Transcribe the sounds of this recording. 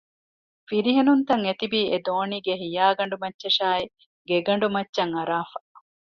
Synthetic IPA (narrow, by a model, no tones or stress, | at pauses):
fiɾiɦenunt̪ɐŋet̪ibiːʔed̪oːniːɡeɦijaːɡɐɳ̆ɖumɐtːʃɐʃaːi | ɡeɡɐɳ̆ɖumɐtːʃɐŋɐɾaːfɐ